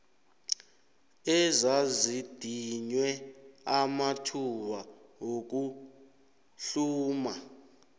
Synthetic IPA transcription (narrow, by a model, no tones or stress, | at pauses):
ɛzazid̥ʱiɲwɛamatʰuwaŋok̬u | ɬuːma